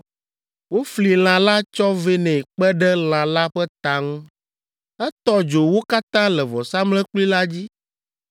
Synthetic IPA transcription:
wo˦fli˨l̃ã˨la˦t͡ʃɔ˦ve˦nɛ̃˨k͡pɛ˦ɖɛ˦l̃ã˨la˦ɸɛ˦t̪a˨ŋũ˦ | ɛ˦t̪ɔ˦d͡ʒo˨wo˦ka˦t̪ã˦lɛ˨vɔ˨sa˦mlɛ˦k͡pli˦la˦d͡ʑi˦

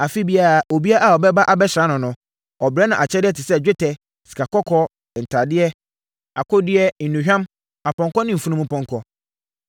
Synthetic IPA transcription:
a˨fi˦bi˦a˨ɾa˨o˨bi˦a˦ʔa˨ɔ˨bɛ˦ba˦ʔa˨bɛ˦ɕɾã˨˦nʊ̃˨nʊ̃˨ | ɔ˨bɾɛ˦nã˨ʔa˨t͡ɕʰɛ˦dɪ˦ɛ˦tʰɪ˨sɛ˦d͡ʑᶣɪ˦tʰɛ˨ | si̥˨kʰa˨kɔ˦kʰɔ˦ | n̩˨tʰa˨dɪ˦ɛ˦ | a˨kʰʊ˦dɪ˦ɛ˦n̩˨nũ˨ɦᶣã˦m | a˨pɔ̃˨ŋkɔ˦nɪ̃˦m̩˨fũ˦nũ˦mũ˦pʰɔ̃˦ŋkʰɔ˦

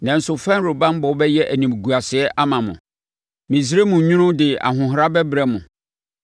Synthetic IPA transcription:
nã˨n̩˨˦sʊ˨fɛ̃˦n˦ɾo˨bã˦m˦bɔ˨˦bɛ˦jɛ˦ʔæ˨nĩ˨m˨ɡu˨a˨sɪ˨ɛ˦ʔa˦mã˨mʊ̰̃˨ | mĩ˨s̬i˦ɾe˦mũ˨˦ɲũ˦nʊ̃˦dɪ˨a̰˨ɦʊ̃˨ɦɾa˦bɛ˦bɾɛ˦mʊ̃˨

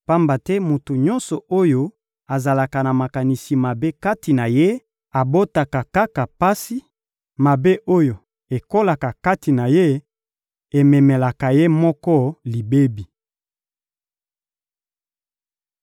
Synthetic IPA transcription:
pa˦mba˨tɛ˦mu˨tu˨ɲɔ˦nsɔ˨o˦jo˦ | a˨za˨la˨ka˨na˨ma˨ka˨ni˨si˨ma˨be˦ka˦ti˨na˨je˦ | a˨bo˦ta˨ka˨ka˦ka˨pa˦si˦ | ma˨be˦ʔo˦jo˨ | e˨ko˦la˨ka˨ka˦ti˨na˨je˦ | e˨mɛ˨mɛ˨la˨ka˨je˦mɔ˦kɔ˦li˨be˦bi˨

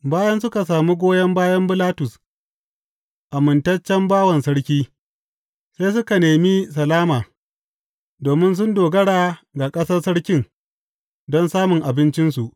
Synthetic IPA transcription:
baː˦jɐ˦nsʊ˦ka˨s̬aː˨mu˦ɡʷoː˦jɐ˦mbaː˦jɐ˦mbɪ˦laː˦tʊ˨s | ʔa˨mɪ˨ntɐ˦t͡ʃːɛ˦mbaː˦wɐ˨nsɐ˦ɽkʲiː˦ | se˦js̬ʊ˦ka˨neː˨mi˦sɐ˨laː˦maː˨ | doː˨mɪ˦ns̬ʊ˦ndoː˨ɡɐ˦ɽaː˨ɡa˨kʼɐ˦sɐ˦rsɐ˦ɽkʲɪ˦ŋ | dɔ˦nsaː˦mʊ˨ŋʔa˨bɪ˦nt͡ʃɪ˦nsu˨ʔ

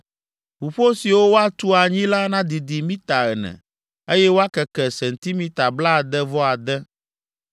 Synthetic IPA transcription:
ɸu˨ɸo˦si˨wo˦wo˦a˦t̪u˦a˨ɲĩ˦la˦nã˦d̪i˨d̪i˨mĩ˦t̪a˨ɛ˨nɛ̰̃˨ | e˦jɛ˦wo˦a˦kɛ˨kɛ˨sɛ˨n̩˨t̪i˦mĩ˦t̪a˨bla˦˨d̪ɛ˦vɔ˦a˨d̪ɛ˦

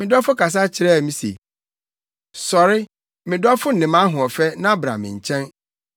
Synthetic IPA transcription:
mɪ̃˨dɔ˦fʊ˦kʰa˨s̬a˦t͡ɕʰɪ˨ɾɛ˦˨mĩ˦sḛ˨ | sɔ˨ɾɪ˦ | mɪ̃˨dɔ˦fʊ˦n̩˨nɪ̃˨mã˦ɦʊ̃˨ɔ˨fɛ˦nã˦bɾa̰˨mɪ̰̃˨ɲ̩˨t͡ɕʰɛ̃˦n

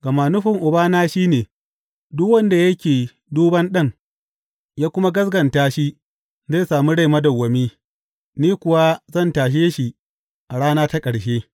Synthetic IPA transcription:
ɡɐ˨maː˨nʊ˦ɸɪ˨ŋʔʊ˨baː˦naː˦ʃiː˦neː˨ | dʊ˦kwɐ˦nda˨jɐ˦kʲeː˨ | duː˦bɐ˦nɗɐ˦ŋ | jaː˦kʷʊ˦ma˦ɡɐ˦s̬ɡɐ˨ntaː˦ʃi˦ | za˦˨saː˨mu˦ɽa˦˨jmɐ˦dɐ˨wːɐ˨miː˦ | niː˦kʷʊ˨wa˦zɐ˦˨ntaː˨ʃ̬eː˦ʃi˨ | ʔa˨ɽaː˦naː˦ta˦kʼɐ˨ɽʃeː˦

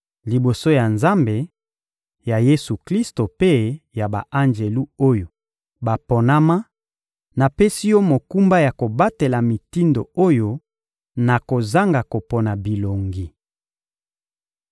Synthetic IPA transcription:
li˨bo˨so˦ja˨nza˦mbe˨ | ja˨je˦su˨kli˦sto˨pe˦ja˨ba̰˨ʔa˦nd͡ʒe˨lu˦o˦jo˨ | ba˨po˨na˦ma˦ | na˨pe˦si˦jo˦mo˨ku˦mba˦ja˨ko˨ba˦te˨la˨mi˨ti˦ndo˨o˦jo˦ | na˨ko˨za˦ŋɡa˨ko˨pɔ˨na˨bi˨lo˨ŋɡi˨

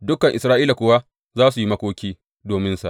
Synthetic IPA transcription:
dʊ˦kːɐ˨ŋʔɪ˨sɾaː˦ʔiː˦la˨kʷoː˨wa˦ | zaː˦su˨ji˦mɐ˦kʷoː˦kʲiː˦ | doː˨mɪ˦nsa̰˨

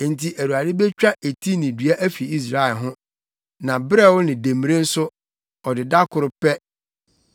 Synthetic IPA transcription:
n̩˨tʰi˨ʔæ˨ɾu˨a˨dɪ˦be˦t͡ɕᶣa˦ʔe˨tʰi˦nɪ̃˨dɥa˦ʔæ˦fi˨i˦s̬ɾa˨ɛ˨lɦʊ̃˦ | nã˨bɾɛ˦wʊ˦nɪ̃˨de˨mi˨ɾẽ˦n̩˦sʊ˦ | ɔ˨dɪ˨da˦kʰʊ˨ɾʊ˦pɛ˦

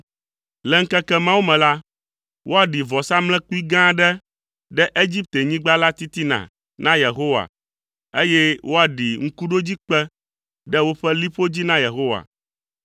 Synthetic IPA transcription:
lɛ˨ŋ̩˦kɛ˦kɛ˦mã˦wu˦mɛ̃˨la˦ | wo˦a˨ɖi˨vɔ˨sa˦mlɛ̃˦ku˦i˦ɡã˦ɖɛ˦ | ɖɛ˦ʔe˦d͡ʑi˦p̚t̪e˨ɲĩ˦ɡ͡ba˦la˦t̪i˦t̪i˦nã̰˨ | nã˦je˨ɦo˦wa̰˨ | e˦jɛ˦wʔo˦a˨ɖi˨ŋ̩˦ku˦ɖo˦d͡ʑi˦k͡pɛ˦ | ɖɛ˦wo˦ɸɛ˦li˦ɸo˦d͡ʑi˦nã˦je˨ɦo˦wa̰˨

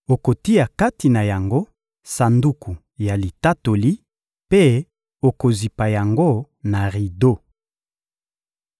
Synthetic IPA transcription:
o˨ko˨ti˦ja˨ka˦ti˨na˨ja˨ŋɡo˦ | sa˨ndu˦ku˨ | ja˨li˨ta˦to˨li˦ | pe˦ | o˨ko˨zi˨pa˨ja˨ŋɡo˦ | na˨ʁi˨do˦˨

